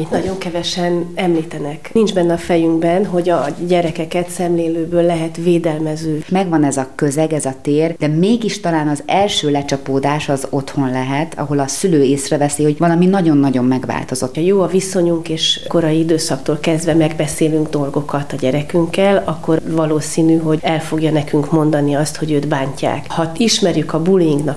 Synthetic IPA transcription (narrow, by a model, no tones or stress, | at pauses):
mit̪nɒɟo̞ŋkɛvɛʃɛnɛmliːt̪ɛnɛknind͡ʒbɛnːɛɒfɛjyŋɡbɛnɦo̞ɟɒɟɛɾɛkɛkɛt̪sɛmleːløːbøːlːɛɦɛt̪veːd̪ɛlmɛzøːmɛɡvɒnɛzɒkøzɛɡɛzɒt̪eːrd̪̥ɛmeːɡiʃt̪ɒlaːnɒzɛlʃøːlɛt͡ʃɒpoːd̪aːʃɒzo̞t̪ho̞nlɛɦɛt̪ɒ̰ɦo̞lɒsyløːeːsrɛvɛsiho̞ɟvɒlɒminɒɟo̞nːɒɟo̞mːɛɡʋa̰ːlt̪o̞zo̞t̪ːjoːɒviso̞ɲuŋkeːʃko̞ɾɒjiid̪øːsɒkt̪oːlkɛzd̪vɛmɛɡbɛseːlyŋɡd̪o̞lɡo̞kɒt̪ɒɟɛɾɛkyŋkːɛlɒkːo̞ɾvɒloːsiːnyɦo̞ɟɛlfo̞ɡjɒnɛkyŋkmo̞nd̪ɒniɒst̪ho̞ɟøːt̪baːɲca̰ːkhɒiʃmɛɾjykɒbuliŋɡnɒk